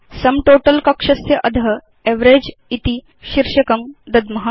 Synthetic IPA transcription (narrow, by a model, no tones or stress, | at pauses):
sɐmʈoːʈɐlkɐkʂɐsjɐʔɐd̪ʱɐɦɐ | eʋɾeːd͡ʒit̪i | ʃiɾʃɐkɐmd̪ɐd̪mɐɦa